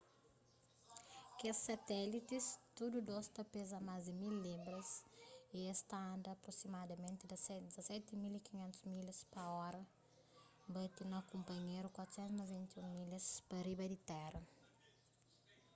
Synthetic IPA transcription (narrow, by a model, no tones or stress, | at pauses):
kessɐt̪ɛlit̪ist̪ud̪ud̪ost̪ɐpezɐmazd̪ɪmilːibɾɐsiest̪aɐ̃nd̪ɐːpɾosimad̪ɐmẽnt̪ɪd̪ɐsɛd̪izɐsɛt̪imilikiɲẽnt̪uzmilɐspɐɔɾɐ | bɐt̪inɐkũmpɐɲeɾukwat̪u̥sɛ̃nt̪mɐzvĩnt̪ũmilɐspɐɾibɐd̪it̪ɛrɐ